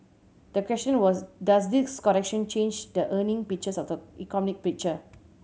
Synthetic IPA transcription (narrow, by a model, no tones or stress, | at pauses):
d̥əkwɛstə̃nwɔsdas̬diskɔɹɛk̚ʃə̃nt͡ʃẽnd͡ʒdəʔənĩŋpik̚t͡ʃəsɔfdəikɔnik̚pɹik̚t͡ʃə